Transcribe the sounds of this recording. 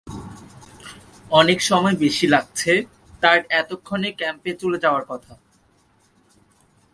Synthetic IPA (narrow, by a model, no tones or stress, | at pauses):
ɔnekʃɔmɔebeʃilaɡ̚t͡ɕʰe | t̪aɾɛt̪okʰːonekɛmpet͡ɕuled͡ʑaoaɾkɔt̪ʰa